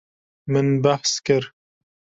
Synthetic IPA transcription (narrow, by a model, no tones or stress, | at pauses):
mɪnbaħskɪɾ